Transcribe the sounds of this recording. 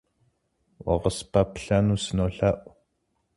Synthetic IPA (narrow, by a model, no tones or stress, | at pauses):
wɑ̰ʁəspapɬanusnoɬaʔ